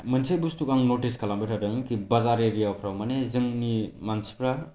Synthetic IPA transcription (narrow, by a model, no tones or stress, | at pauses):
mənsejbustukaŋnoʈiskʰalambɯʈʰadɯŋkibɐzaɾeɾijapʰɾawmanezɯŋnimansi̥pʰɾa